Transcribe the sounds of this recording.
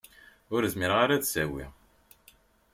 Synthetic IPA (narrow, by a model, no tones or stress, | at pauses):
ʊɾəzmiɾʁaɾæd̪sæwḭ